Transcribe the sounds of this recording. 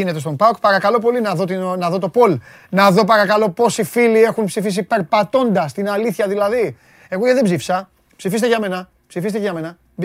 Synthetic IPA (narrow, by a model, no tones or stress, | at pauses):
ine̞t̪est̪ompɐkpɐɾɐkɐlo̞po̞linɐðot̪inɐðo̞t̪o̞po̞l | nɐðo̞pɐɾɐkɐlo̞po̞sifilie̞xunpsifis̬ipe̞ɾpɐt̪o̞nd̪ɐst̪inɐliθçɐðilɐði | e̞ɣoʝeðebzifi̥sɐ | psifis̬t̪eʝɐme̞nɐ | psifist̪eʝɐme̞nɐ